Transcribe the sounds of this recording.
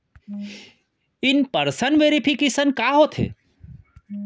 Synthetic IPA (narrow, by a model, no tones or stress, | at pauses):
ɪnpɐɾsənʋeːɾipʰikesənkaːɦot̪ʰḛː